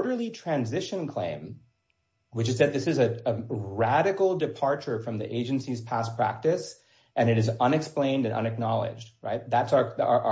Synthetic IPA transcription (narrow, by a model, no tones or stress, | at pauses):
ɾə˞lˠitʰɹ̥æ̃nzɪʃɨ̃nkʰl̥ḛ̃ɪ̃m | wɨt͡ʃɨzðɨt̪̚ðɪsɨzɨəɹæɾɨkl̩ˠdɨpʰɑɹt͡ʃə˞fɹʌ̃mðḭʔeɪd͡ʒɨ̃n̩siz̥pʰæspʰɹ̥æ̰k̚tɨs | ʔɨ̃ñɨɾɨzʌ̃nɨksplẽɪ̃ndɨ̃nʔʌ̰̃nɨk̚nɑlˠɪ̰d͡ʒd̥̚ɹa̰ɪt̪̚ðætsə˞əʔ